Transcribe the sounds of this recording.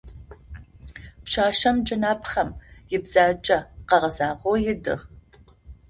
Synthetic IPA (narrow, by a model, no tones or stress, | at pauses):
pɕaːʃɐmd͡ʒʼɨnaːpχɐmjɪbz̥aːt͡ʃʼɐqɐʁɐzaːʁʷoːjɪdɨ̰ʁ